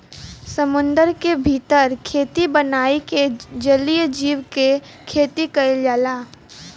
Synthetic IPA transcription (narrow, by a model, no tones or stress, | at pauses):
səmʊ̃nd̪əɾkebʱiːt̪əɾkʰeːt̪ibənaːiked͡ʒəlijd͡ʒiːwke | kʰeːt̪ikɐed͡ʒaːlaː